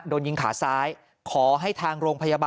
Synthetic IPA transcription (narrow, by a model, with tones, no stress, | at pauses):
doː˧nji˧ŋkʰaː˩˦saː˦˥j | kʰɔː˩˦ɦa˥˩jt̪ʰaː˧ŋɾoː˧ŋpʰa˧jaː˧baː